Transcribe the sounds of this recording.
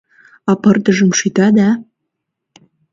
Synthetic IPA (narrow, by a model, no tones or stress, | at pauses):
ɑpɤrt̪əʒə̆mʃyt̪ɑd̪ɑ